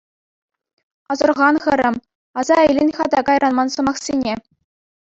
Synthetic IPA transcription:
ɑzɤ̆rʁɑnχɤ̆ɾʲɘ̆m | ɑzɑɘ̆jlʲɘ̆nʲχɑd̪ɑkɑjɾʔɑnmɑnsɤ̆mɑχsʲenʲe

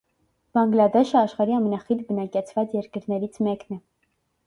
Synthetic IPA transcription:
b̥ɑŋɡlɑd̪ɛʃəɑʃχɑɾiɑmɛnɑχit̪bənɑkɛt͡sʰvɑt͡sjɛɾkəɾnɛɾit͡sʰmɛknɛ

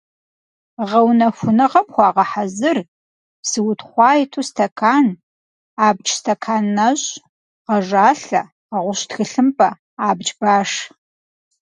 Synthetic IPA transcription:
ʁɐwnɐxʷʊnɨʁɐmxʷɑːʁɐħazɨr | psɨwʊtʰχʷɑːjtʰuːstʰɐkʰaːn | aːb̚t͡ʃʼstʰɐkʰaːnːɐɕ | ʁɐʒaːɬɐ | qɐʁʷʊɕtxɨɬɨmpʼɐ | aːbd͡ʒbaːʂ

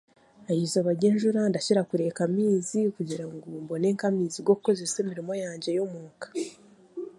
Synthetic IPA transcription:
ajizoβaɾɟeːnʒuɾandaʃiɾakuɾe̞kamiːzikuɟiɾaŋɡumbo̞ne̞ːŋkamiːziɡo̞ku̥ko̞ze̞se̞ːmiɾimo̞jaːɲɟe̞jomuːŋkḁ

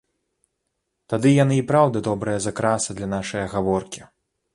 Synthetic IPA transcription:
t̪ad̪ɨjanɨipɾawd̪ɐd̪ɔbɾɐjɐzɐkɾasɐd̪lʲɐnaʂɐjɐɣavɔrkʲi

